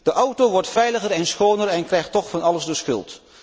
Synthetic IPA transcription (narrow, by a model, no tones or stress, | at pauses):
d̥əʔʌwtoʋɔɹtfɛjləχərɛnsχownəɾɛnkrɛjχtɔχfɑnɑləzdəsχɵ̰lˠt